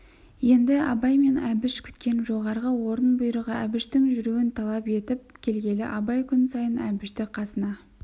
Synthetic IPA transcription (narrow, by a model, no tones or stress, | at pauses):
je̞nd̪ɪɑbɑjme̞næbɪʃkʲʰʏ̥t̪kʲe̞nʒo̞ʁɑɾʁəwo̞ɾənbʊjɾəʁəæbɪʃt̪ɪŋʒʏɾuwɪnt̪ʰɑlˠɑpe̞t̪ɪp̚kʲʰe̞lɡʲe̞lɪ̰ʔɑbɑjkʲʰʏnsɑjənæbɪʃt̪ɪqʰɑsənɑ